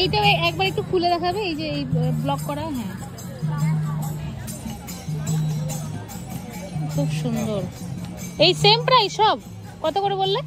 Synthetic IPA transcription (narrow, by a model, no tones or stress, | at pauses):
ejʈaɛk̚baɾek̚ʈukʰuled̪ɛkʰabeejd͡ʑeejblɔkːɔɾaɦɛ̃ | kʰubʃund̪oɾ | ejsempɾajʃɔb | kɔt̪okoɾobolːe